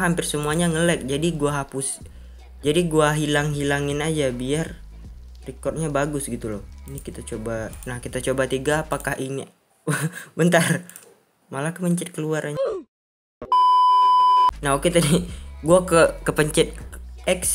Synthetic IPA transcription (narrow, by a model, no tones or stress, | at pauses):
ɦampɪrsəmuaɲaŋəlɛk̚d͡ʒadiɡuaɦapʊs | d͡ʒadiɡuaɦilaŋɦilaŋɪnad͡ʒabiar | rikɔrt̪̚ɲabaɡʊsɡit̪ulɔhinikit̪at͡ʃobanahkit̪at͡ʃobat̪iɡaːpakahʔiŋa | bənt̪ar | malakəməɲt͡ʃɪt̪̚kəluaɾaɲa | naɦoket̪adiɡuakəkəpəɲt͡ʃɪt̪̚ɛks